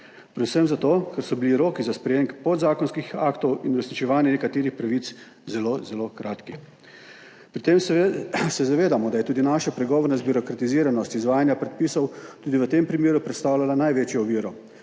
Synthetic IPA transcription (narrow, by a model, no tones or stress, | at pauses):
pɾɛd̪usəmzat̪oːkɛɾsɔbiliɾoːkizaspɾɛjeːŋkpɔd̪zaːkɔnskixa̰kt̪ɔwinuɾɛsnit͡ʃɛʋaːnjɛnɛkat̪eːɾixpɾaʋit̪s | zɛlozɛlokɾaːt̪ki | pɾit̪emsɛzaʋeːd̪amɔd̪ajɛt̪uːd̪inaːʃapɾɛɡɔːʋɔɾnɛzbiɾɔkɾat̪iziːɾanɔst̪izʋaːjanjapɾɛt̪̚piːsɔwt̪uːd̪iʋət̪empɾimjeːɾupɾɛt̪st̪aːwlalanajʋeːt͡ʃjɔɔʋiːɾɔ